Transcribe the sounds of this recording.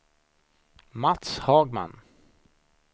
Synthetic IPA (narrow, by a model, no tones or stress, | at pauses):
mat̪shɑːɡma̰n